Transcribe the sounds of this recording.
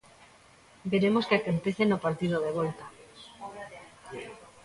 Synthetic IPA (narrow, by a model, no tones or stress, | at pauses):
beɾemoskakont̪eθenopaɾt̪iðoðeβ̞olt̪a